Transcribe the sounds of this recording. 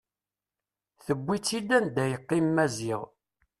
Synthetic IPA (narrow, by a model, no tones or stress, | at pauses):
θəbʷːit͡sːid̪ænd̪æjəqːimːæziʁ